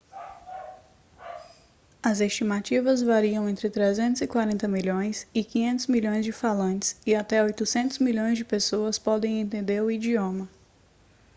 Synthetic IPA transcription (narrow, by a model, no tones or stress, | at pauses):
ɐzest͡ʃimat͡ʃivɐzvaɾiɐ̃w̃ẽnt̪ɾɪt̪ɾezẽnt̪ʊzɪkwaɾẽnt̪ɐmiʎõj̃sɪkĩɲẽnt̪ʊzmiʎõj̃zd͡ʒɪfalɐ̃nt͡ʃɪ̥sɪat̪ɛojt̪ʊsẽnt̪ʊzmiʎõj̃zd͡ʒɪpesoɐspɔd̪ẽj̃ẽnt̪ẽnd̪eɾʊid͡ʒiõmɐ